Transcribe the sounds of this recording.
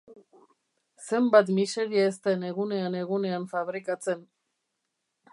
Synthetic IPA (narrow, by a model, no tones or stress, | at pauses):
se̞mbat̪mise̞ɾiaest̪ene̞ɣune̞ane̞ɣune̞aɱfaβɾikat͡se̞n